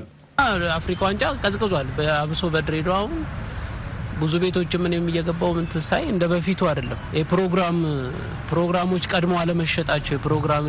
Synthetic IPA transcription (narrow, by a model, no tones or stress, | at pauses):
ɨnaafɾikʼawant͡ʃʼakʼəzkʼːɨzalbəaβso̞bəd̪ɾe̞d̪oahun | bɨzube̞t̪ʰo̞t͡ʃːɪmːɨnjɛmːijːɛɡəbːawmɨnt̪ʰɨsajɨnd̪əbəfit̪ʰuad̪əlːəmjhepɾo̞ɡɾam | pɾo̞ɡɾamo̞t͡ʃːkʼəd̪moaləməʃːɛt̪ʼat͡ʃːɛwjɛpɨɾo̞ɡɾam